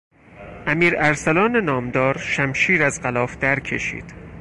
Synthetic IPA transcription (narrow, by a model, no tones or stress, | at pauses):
ʔæmiːɾæɾsælɒːnenɒːmd̪ɒːɾʃæmʃiːɾæzɢælɒːfd̪æɾcʰe̞̰ʃḭːd̪̥